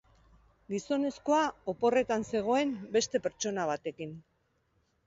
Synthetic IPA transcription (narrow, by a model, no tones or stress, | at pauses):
ɡiso̞ne̞sko̞aopo̞re̞t̪anse̞ɣ̞o̞e̞mbe̞st̪e̞pe̞ɾt͡ʃo̞naβ̞at̪e̞kin